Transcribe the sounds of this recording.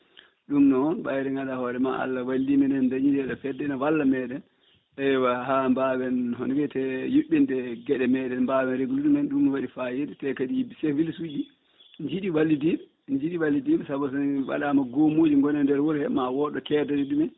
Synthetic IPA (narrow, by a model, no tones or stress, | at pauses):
ɗumnɔɔnɓajɾɛŋɡaɗahɔɾɛma̰a̰lːawalːimɛnɛndaɲidɛɗɔfɛdːɛnawalːamɛɗɛn | ʔɛwaɦambawɛnhɔnwɛtɛjuɓːindɛɡɛɗɛmɛːɗɛnmbawɛnɾeɡuluɗumɛnɗumːiwaɗifajeditɛkaɗijibisevilsud͡ʒi | ɲd͡ʒiɗiwalːidiɓɛ | ɲd͡ʒiɗiwalːidiɓɛsabɔs̬ɔnwa̰ɗamaɡomoːd͡ʒiŋɡɔnɛndɛɾwɔɾhɛmawɔɗɔkɛdadɛɗumɛn